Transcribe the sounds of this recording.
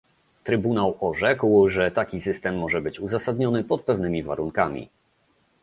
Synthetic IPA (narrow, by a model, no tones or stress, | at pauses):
t̪ɾɘbunawɔʐɛkwʐɛt̪akʲisɘst̪ɛmːɔʐɛbɘt͡ɕuzasad̪ɲɔnɘpɔt̪̚pɛvnɘmʲiva̰ɾuŋkamʲḭ